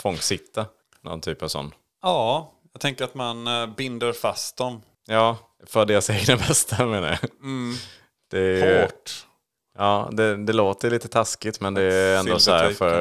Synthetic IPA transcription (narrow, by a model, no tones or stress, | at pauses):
fɔŋːsɪt̪ʰːa | nɔ̰nt̪ʰyːpavsɔ̰nː | ɑːjɑt̪ʰɛŋkəɾat̪manbɪnd̪əɾfast̪̚d̪ɔm | jɑː | fœɖ̪eːɾaseːɡnabɛst̪ʰameːna̰ɾja | d̪̥ɛʈː | ʔɑːd̪ɛd̪ɛloːt̪əliːt̪ət̪ʰaskɪt̪mɛnd̪ɛɛnd̪oːsæːɾfœɾ